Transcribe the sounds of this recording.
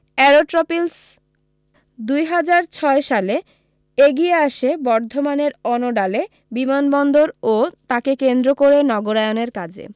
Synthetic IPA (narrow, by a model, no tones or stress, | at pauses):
ɛɾoʈɾopils | d̪ujɦad͡ʑaɾt͡ɕʰɔeʃale | eɡieaʃebɔɾd̪ʱomaneɾɔnoɖale | bimanbɔnd̪oɾot̪akekend̪ɾokoɾenɔɡoɾaeoneɾkad͡ʑʱḛ